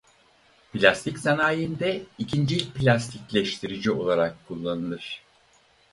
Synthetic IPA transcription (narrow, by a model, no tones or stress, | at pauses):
plʲast̪ʰicsanaːjɯnd̪ɛicʰind͡ʒipilʲast̪ʰiclʲɛʃt̪ʰiɾid͡ʒio̞lˠaɾakkʰːulˠːanɯlˠɯɾ̝̥